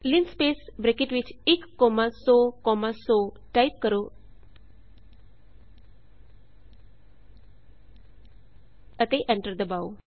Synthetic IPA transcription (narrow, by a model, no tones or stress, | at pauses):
linspeːsbɾekiʈʋit͡ʃʰikːɔmasokɔmaso | ʈajp̚kəɾo | ət̪eʔeɳʈəɾd̪əbaw